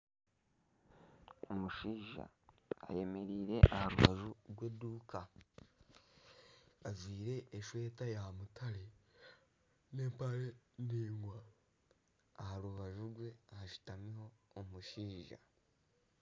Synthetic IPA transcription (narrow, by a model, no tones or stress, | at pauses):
omuʃiːʒa̰ːje̞me̞ɾiːɾe̞ʔahaɾuβa̰ʒuɾɡwe̞duːkʰa | zwiːɾe̞ʔːʃwe̞ːtajamutʰaɾe | ne̞ːmpaɾeniːŋɡwa | haɾuβaʒuɾɡwe̞ahaʃi̥tamiho̞ːmuʃiːʒa̰